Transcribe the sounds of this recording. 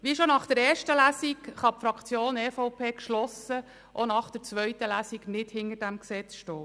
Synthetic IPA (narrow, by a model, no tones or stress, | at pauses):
ʋiʃonɑχd̥ɛɾɛːɾʃtəlæːsikχɑpfɾɑkʰt͡sjoːnɛːfoʊpʰeːkʃlɔsə | ʔonɑχd̪̥ɛɾt͡sʋœʏt̪əlæːsiknɪdhɪnərdæmksɛt͡sʃtɔː